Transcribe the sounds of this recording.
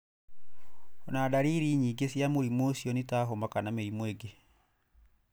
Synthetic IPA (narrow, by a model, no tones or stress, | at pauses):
ɔnadaɾiːɾiɲiːɡesjamoɾimosiɔnetaɦomakanameɾimweɡe